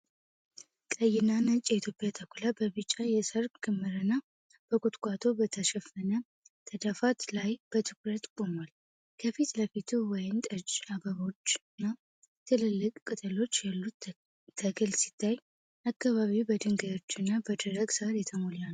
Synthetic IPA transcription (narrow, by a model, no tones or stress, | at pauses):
kʼəjɪnanət͡ʃʼjɛit̪ʰjo̞pʼjat̪ʰəkʷulabəβɨt͡ʃʼːajɛsəɾkkʰɨmːɨɾɨnːa | b̥əkʼʊt̪ʼkʷʼat̪ʰo̞bət̪ʰəʃɛfənə | t̪ʰəd̪afat̪lajb̥ət̪ʰɨkɾət̪ʼkʼo̞mal | kʰəfit̪ləfit̪ʰuwɔjɪmt̪ʼət͡ʃaɡəβo̞t͡ʃːɨnːa | t̪ʰɨlɨlːɨkʼkʼːɨt̪ʼɨlo̞t͡ʃːjalːut̪ːʰ | əɡɨlsi̥t̪ʰːaj | ʔakːaβaβiwbəd̪ɨŋɡəjo̞t͡ʃːɨnːabəd̪əɾəɡsəaɾjɛt̪ʰəmolan